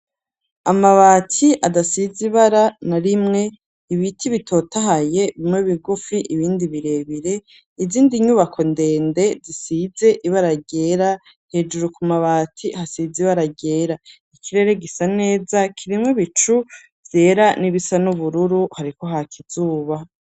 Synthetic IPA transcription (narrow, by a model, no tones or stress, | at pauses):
amaβaːtʰiʔadasiziβaɾanaɾimŋe̞ | iβitʰiβitʰo̞taɦaje̞βimŋeβiɡufiʔiβiːndiβiɾe̞βiɾe̞ | iziːndiɲuβakʰo̞nde̞ːnde̞zisize̞ʔiβaɾaɡe̞ːɾa | he̞d͡ʒuɾukumaβaːtʰihasiziβaɾaɡe̞ːɾa | ikʰiɾe̞ɾe̞ɡisane̞ːzakʰiɾimŋwiβit͡ʃu | vje̞ːɾaniβisanuβuɾuɾuhaɾiko̞ɦakʰiz̥uːβa